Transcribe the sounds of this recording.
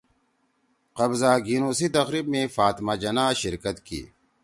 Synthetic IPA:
qɐbzaːɡinoːsit̪ɐxɾibmẽfaːt̪maːd͡ʑɐnaːɕiɾkɐt̪kḭː

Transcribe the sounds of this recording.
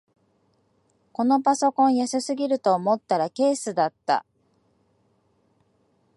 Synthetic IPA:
ko̞no̞paso̞kõɰ̃jasɨsɨɡʲiɾɯ̟t̪o̞ːmo̞t̪ːaɾake̞ːsɨd̪at̪ːa̰

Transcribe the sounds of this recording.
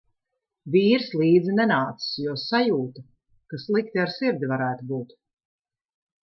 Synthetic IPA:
viːɾslˠiːd̪zinɛnaːt̪si̥sjuɔsajuːt̪a | kaslˠikt̪iaɾsiɾd̪ʲivaɾæːt̪ubuːt̪

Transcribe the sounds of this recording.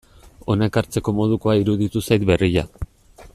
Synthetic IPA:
o̞naekaɾt͡se̞ko̞mo̞ð̞uko̞aiɾuðit̪usajt̪̚be̞riʎa̰

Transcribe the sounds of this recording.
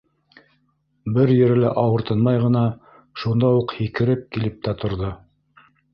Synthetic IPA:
bɘɾjɘ̆ɾɘ̆læʔɑwɤ̆ɾt̪ɤ̆nmɑjʁɤ̆nɑ | ʃund̪ɑuqhikɘ̆ɾɘp̚kilɘp̚t̪æt̪ŏɾðo

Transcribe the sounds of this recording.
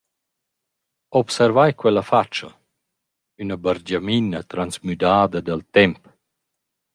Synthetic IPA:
ɔpsɛɾvajkwɛlafat͡ʃːɐ | ynabaɾd͡ʒaminət̪ɾansmyd̪aːd̪ɐd̪alt̪ɛmp

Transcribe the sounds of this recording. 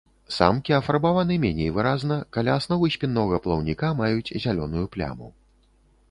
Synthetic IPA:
sa̰mkʲiɐfarbavanɨmʲɛnʲejvɨɾaznɐkalʲaːsnɔvɨsʲpʲinːɔɣɐplˠɐwnʲikamajut͡sʲzʲalʲɔn̪ujuplʲa̰mṵ

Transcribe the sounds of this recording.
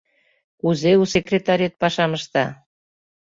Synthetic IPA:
kuzeusekrʲet̪ɑɾʲet̪̚pɑʃɑməʃt̪ɑ

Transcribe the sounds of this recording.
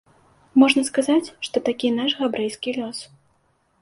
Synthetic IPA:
mɔʐnɐskazat͡sʲʂt̪ɔt̪akʲinaʂɣabɾɛjskʲilʲɔs

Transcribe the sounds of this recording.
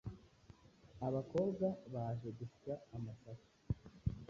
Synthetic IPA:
aβako̞ːbɡaβaʒeɡufi̥taːmasaso̥

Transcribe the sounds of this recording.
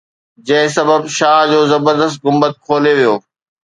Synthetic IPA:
d͡ʑɐ̃ɦɪ̃sɐbəbʃaːɦd͡ʑoːzɐbəɾd̪əst̪̚ɣʊmbət̪̚kʰoːleʋijoː

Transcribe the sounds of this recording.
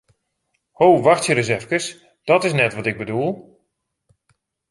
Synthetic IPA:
hoːʋaxtjəɾəzɛfkəs | d̥ɔtɪs̬nɛtʋɔtɪɡ̚bədulˠ

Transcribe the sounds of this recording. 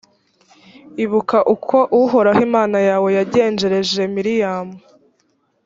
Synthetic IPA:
iβukaʔukʰo̞ʔuɦo̞ɾahimaːnajaːwe̞jaɟe̞ːnd͡ʒe̞ɾe̞ʒe̞miɾijaːmu

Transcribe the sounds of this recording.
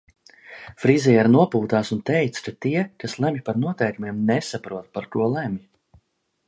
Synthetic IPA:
fɾizʲijɛɾnuɔpuːt̪aːsunt̪ɛjt̪skat̪iɛkaslˠɛmʲipaɾnuɔt̪ɛjkumiɛmnɛsapɾuɔt̪̚paɾkuɔlˠæmʲi

